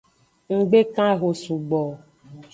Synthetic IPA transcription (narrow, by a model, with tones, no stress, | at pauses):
ŋ̩˨ɡ͡be˦kã˦ɣo˨su˨ɡ͡bɔ˨